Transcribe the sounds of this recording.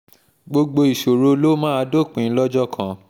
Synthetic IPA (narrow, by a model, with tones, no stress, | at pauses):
ɡ͡bo˧ɡ͡bo˧i˨ʃo˨ɾo˦lo˦mãː˦a˧˦do˦˨k͡pĩ˨˧˦lɔ˦d͡ʒɔ˦kʰã˨